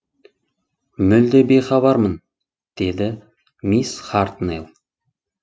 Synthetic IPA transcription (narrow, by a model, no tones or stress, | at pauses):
mɵld̪ebejχɑβɑɾmən | d̪̥e̞d̪ɪ | misχaɾt̪nelˠ